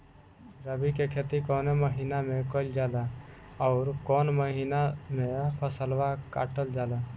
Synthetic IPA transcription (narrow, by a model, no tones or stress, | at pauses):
ɾəbikekʰet̪ikoːneməɦiːnamẽkoɪld͡ʒaːla | ɔːɾkoːnməɦiːnamẽpʰəsəlʋaka̰ːʈəld͡ʒaːlaː